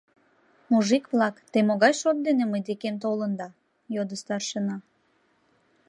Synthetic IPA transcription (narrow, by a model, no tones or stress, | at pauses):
muʒikβlɑkt̪emoɣɑjʃot̪̚d̪eneməjd̪ekemt̪̬olənd̪ɑ | jod̪əst̪ɑrʃənɑ